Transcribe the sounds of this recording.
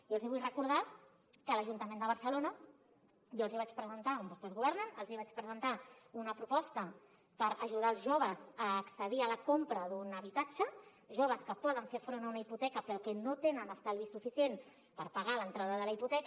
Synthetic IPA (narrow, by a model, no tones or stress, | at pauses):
jolziβujrəkuɾð̞a | kələʒunt̪əmend̪əβəɾsəlonə | ʒoəlˠziβat͡ʃpɾəzənt̪aumbost̪ezɣuβɛɾnənəlˠziβat͡ʃpɾəzənt̪aunəpɾupɔst̪ə | pəɾəʒuð̞aːlˠzʒoβəzəːksəðiələkompɾəðunəβit̪ad͡ʒə | ʒoβəskəpɔðəɱfefɾonəunaiput̪ɛkəpɾokɛnot̪enənəst̪alˠβisufisijen | pəɾpəɣalənt̪ɾaðəðələiput̪ɛk